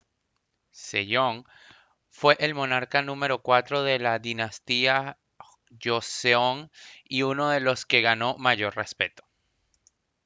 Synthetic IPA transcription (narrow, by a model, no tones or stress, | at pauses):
sḛʎo̞ŋ | fwe̞ʔelmo̞naɾkanũme̞ɾo̞kwat̪ɾo̞ðe̞laðinast̪ia | ʝoseoŋiuno̞ðe̞lo̞ske̞ɣano̞maʝo̞ɾre̞spe̞t̪o̥